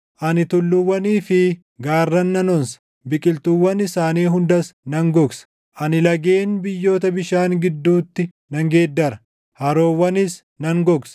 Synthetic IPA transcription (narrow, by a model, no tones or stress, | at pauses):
ʔɐnɪt̪ʊlːʊwːɐniːfɪ | ɡaːrːɐnːɐnɔnsɐ̥ | bɪkʼɪlt̪ʊwːɐnɪsaːniːɦʊnd̪ɐsnɐŋɡɔɡsɐ̥ | ʔɐnɪlɐɡeːnbɪjːo̞ːt̪ɐbɪʃaːŋɡɪd̪ːuːt̪ːɪ | nɐŋɡeːd̪ːɐɾɐ | hɐɾo̞ːwːɐnɪs | nɐŋɡɔɡs